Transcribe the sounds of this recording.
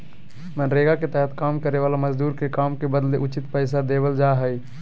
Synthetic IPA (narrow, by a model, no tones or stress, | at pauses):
mənɾeɡaket̪ɛɦət̪kamkəɾeʋalaməd͡ʒd̪uɾkekamkebəd̪leʔut͡ʃit̪pəɪsad̪ebəld͡ʒaɦəj